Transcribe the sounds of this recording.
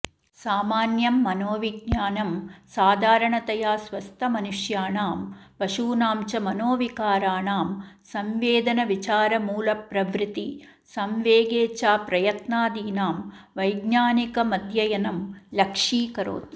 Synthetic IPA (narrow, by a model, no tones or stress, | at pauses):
saːmaːnjɐmːɐnoːʋiɡɲaːnɐmsaːd̪ʱaːɾɐɳɐt̪ɐjaːsʋɐst̪ʰɐmɐnuʂjaːɳaːmpɐʂuːnaːmt͡ʃɐmɐnoːʋikaːɾaːɳaːmsɐmʋeːd̪ɐnɐʋit͡ʃaːɾɐmuːlɐpɾɐʋɾɪt̪i | sɐmʋeːɡeːt͡ʃaːpɾɐjɐt̪naːd̪iːnaːmʋɐjɡnaːnikɐmɐd̪ʱjɐjɐnɐmlɐkʂiːkɐɾo̰ːt̪